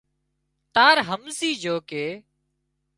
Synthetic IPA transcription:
t̪aːɾɦəmsiːd͡ʒoːkeː

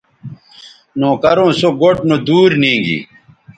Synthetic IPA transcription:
noːkɐɾõːsoɡoʈnod̪uːɾnĩːɡḭ

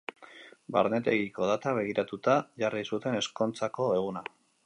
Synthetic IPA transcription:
ba̰ɾne̞t̪e̞ɣiko̞ð̞at̪aβe̞ɣ̞iɾat̪ut̪aʝarisut̪e̞ne̞sko̞nt͡sako̞e̞ɣ̞una

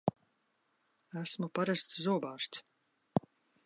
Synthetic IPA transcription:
æsmupaɾast̪szuɔbaːɾst̪s

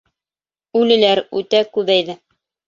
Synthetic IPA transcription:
ʉlɘ̆læɾʉ̰t̪ækʉðæjðɘ

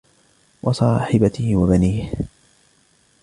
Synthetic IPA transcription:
wʔɑsˤɑːħɪbat̪ɪhwabaniːh

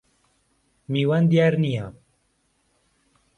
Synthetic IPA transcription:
miːwand̪ijaːɾnija

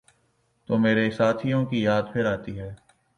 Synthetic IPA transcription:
t̪oːmeːɾesaːt̪ʰijõkijaːd̪pʰɪɾaːt̪iɦɛː

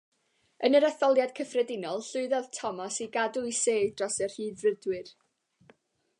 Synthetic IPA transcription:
ənəɾaθɔlˠjad̥kʰəfrɛdɪnɔlˠɬʊɨðɛðtʰɔmasiɡaduiseːdrɔsɛrhiːdrədwɨr

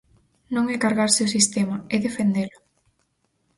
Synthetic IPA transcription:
nõŋɛkaɾɣaɾsɪʊsist̪emaeðefend̪elʊ

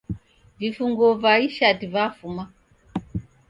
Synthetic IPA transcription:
vifuŋɡɔvaiʃadivafuma

